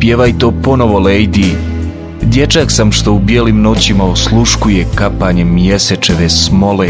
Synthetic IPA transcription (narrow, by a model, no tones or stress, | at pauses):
pjeʋajt̪opo̞noʋo̞lejd̪i | d̪je̞t͡ʃaksamʃt̪o̞ubjelimno̞t͡ɕimaoslˠuʃkujekapaɲemje̞set͡ʃeʋesmo̞le